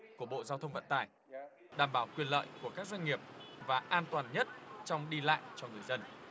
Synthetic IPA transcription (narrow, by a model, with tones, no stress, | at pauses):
ku˧˩əɓo̰˧˨zaː˧wt̪ʰə˧wŋ͡mvə̰˧˨nt̪aː˧˩j | ɗaː˨˩mɓaː˨˩˦wkwi˨˩ənlə̰ː˧˨jku˧˩əkaː˦˥k̚zwa˧ŋ̟ŋi˨˩əp̚vaː˨˩ʔaː˧nt̪waː˨˩nɲə˦˥t̚t͡ɕɔ˧wŋ͡mɗi˧la̰ː˧˨jt͡ɕɔ˧ŋɨ˨˩əjzə˧n